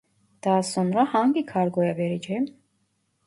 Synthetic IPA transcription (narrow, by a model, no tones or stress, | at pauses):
d̪̥aːsɔnɾahaŋɡikʰaɾɡɔjavɛɾid͡ʒɛm